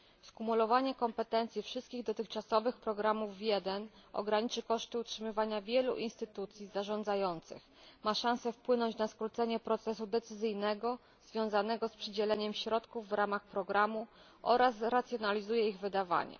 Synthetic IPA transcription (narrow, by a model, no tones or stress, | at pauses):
skumulɔvaɲɛkɔmpɛt̪ɛnt̪sʲjifʂɘst̪kʲiɣd̪ɔt̪ɘxt͡ʂasɔvɘxpɾɔɡɾamuvjɛd̪ɛnɔ̰ɡɾaɲit͡ʂɘkɔʂt̪ɘutʂɘmɘvaɲavʲjɛlṵʔinst̪ɘt̪ut̪sʲjizaʐɔ̃nd̪zajɔnt̪sɘ̰x | maʂãñsɛfpwɘnɔɲt͡ɕnaskɾut̪sɛɲɛpɾɔt̪sɛsud̪ɛt̪sɘzɘjnɛɡɔ | zvʲjɔ̃w̃zanɛɡɔspʂɘd͡ʑɛlɛɲɛmɕɾɔt̪kuvːɾamaxpɾɔɡɾamu | ʔɔɾasɾat̪sʲjɔnalʲizujɛiɣvɘd̪ava̰ɲɛ̰